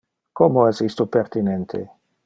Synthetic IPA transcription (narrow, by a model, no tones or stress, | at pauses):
komoezist̪opert̪inɛnt̪ʰḛ